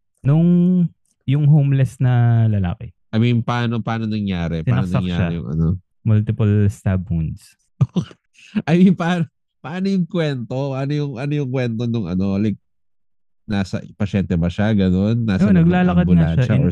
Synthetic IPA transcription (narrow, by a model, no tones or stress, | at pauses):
nʊŋ | jʊŋɦowmlɛsnɐlɐla̰ːkɛʔɐmɪŋpɐaːnopaːnonɐŋjaːɾɛp̪ɪaɐnosnɐŋkjaʃːɾaɛjʊ̰ŋɐ̰no | mʊlt̪ɪpɐlst̪abund̪s | ʔok | ʔɐjpɐaːno | pɐʔaːnojʊŋkwɛnt̪opɐʔanojʊŋʔɐnojʊŋkwɛnt̪o̞nʊŋɐ̰no̞lɐjk̚ | nasɐ̰pɐʃɛnt̪ɛbɐʃaɡɐnonːaːsɐonɐɡlaːlɐkɐd̪ʊlɐaʃɐaɛ